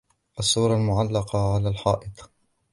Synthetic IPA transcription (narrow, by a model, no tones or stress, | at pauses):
ʔasːuːɾˤɑlmʊʕalːɑqɑʕalaːlħɑ̰ːʔɨt̪ˤ